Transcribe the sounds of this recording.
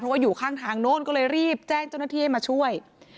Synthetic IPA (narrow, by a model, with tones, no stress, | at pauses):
pʰɾɔ˦˥waː˥˩juː˨˩kʰaː˥˩ŋt̪ʰaː˧ŋnoː˥˩˨nkɔː˥˩lɤː˧jɾiː˥˩p̚t͡ɕɛː˥˩ŋt͡ɕaː˥˩wna˧˥t̪ʰiː˥˩a˥˧jmaː˧t͡ɕʰu˥˩əj